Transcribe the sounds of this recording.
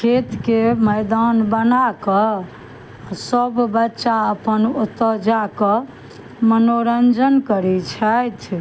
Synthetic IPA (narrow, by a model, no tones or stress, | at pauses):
kʰet̪keməjd̪anbənakə | səbʱbətːʃaəpənut̪ːəd͡ʒakə | mənoɾənd͡ʒənkəɾit͡ʃʰəjt̪ʰ